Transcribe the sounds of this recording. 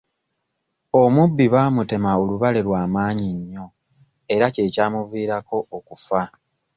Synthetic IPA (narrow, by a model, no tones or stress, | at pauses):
o̞mubːiβaːmute̞mao̞luβale̞ɾwaːmaːɲiɲːo̞ | e̞ɾace̞ːcaːmuviːɾako̞ːkufa